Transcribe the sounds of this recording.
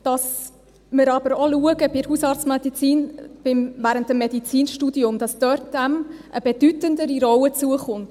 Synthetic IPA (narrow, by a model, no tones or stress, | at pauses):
d̥ɑs | mɪɾɑb̥əɾɔluəɡəb̥ɪɾhusɑɾtt͡smɛdit͡siːnb̥ɪmvæːɾəntəmːɛdit͡siːnʃtudiʊmd̥ɑsd̥øɾtdæmʔəb̥ed̥ytəndəɾiɾɔwət͡suəχʊnt